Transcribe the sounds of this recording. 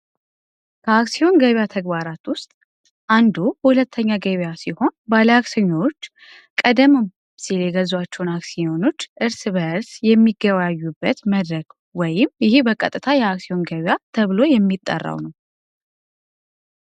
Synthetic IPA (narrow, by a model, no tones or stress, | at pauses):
kʰəaksio̞nɡəβjat̪ʰəɡbaɾat̪wʊst̪ʼ | ʔand̪uhulət̪ʰːəɲːaɡəβjasiho̞nbaləaksiɲːot͡ʃː | kʼəd̪əm | siljɛɡəzwat͡ʃːɛwnaksio̞no̞t͡ʃːʔɨɾsbəɨɾsjɛmːiɡːəβajajːubːət̪məd̪ɾəɡ | wɔjɪmjɪhibəkʼət̪ʼɨt̪ʰajɛaksio̞nɡəβjat̪ʰəβlo̞jɛmːit̪ʼːə̰rːa̰wnəw